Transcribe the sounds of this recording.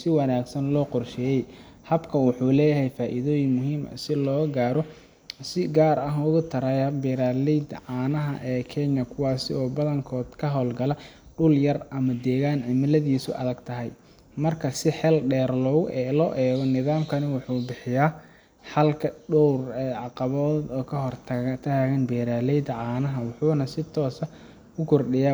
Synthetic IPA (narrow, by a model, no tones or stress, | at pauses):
sɪwɐnaːɡsɐnlɔːqɔrʃɛjɛj | hɐbkʰɐwʊħuːlɛːjɐɦɛjfaːʔiðɔːjɪŋmʊɦiːmʔɐ̰sɪlɔːɡaːɾɔ | sɪɡaːɾɐɦʊɣʊt̪ʰɐɾɐjabɪɾaːlɛjd̪ʕaːnɐɦɐ̰ʔɛːkʰɛnjɐkʰʊwɑːsɪ̰ɔːbɐðɐŋkʰɔːd̪̥kʰɐɦɔːlɡɐlɐ | ɖʊljɐrʔɐmɐd̪ɛːɣaːnʕɪmɪlɐðiːsʊʔɐ̰ðɐɡt̪ʰɐɦɛ̰j | mɐrkʰɐsɪħɛlɖɛːrlɔːɣʊʔɛlɔ̰ːʔɛːɣɔnɪðaːmkʰɐnɪwʊħuːbɪħɪjaː | ħɐlkʰɐɖɔwrɛːʕɑqɑβɔːd̪ɔːkʰɐɦɔrt̪ʰɐt̪ʰɐɣɐnbɛːɾaːlɛjd̪ʕaːnɐɦɐwʊħuːnɐsɪt̪ʰɔːsɐ | ʊkʰʊrɖɪjaː